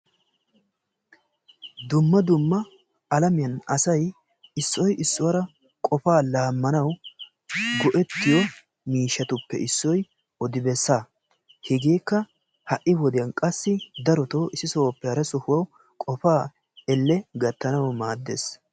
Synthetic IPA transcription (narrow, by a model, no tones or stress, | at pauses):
d̪ʊmːɐd̪ʊmːɐ | ɐlɐmɪjɐnɐsɐj | ɪsːɔjʔɪsːʊwɐɾɐ | kʼɔfaːlaːmːɐnɐw | ɡɔʔɛt̪ːɪjɔ | miːʃːɐt̪ʊpːɛ̰ʔɪsːɔj | ɔd̪ɪbɛsːaː | hɛɡeːkːɐ | hɐʔːɪwɔd̪ɪjɐnkʼɐsːɪd̪ɐɾɔt̪oːɪsːɪsoːpːɛhɐɾɐsɔhʊwɐw | kʼɔfaː | ɛlːɛɡɐt̪ːɐnɐwmaːd̪ːḛːs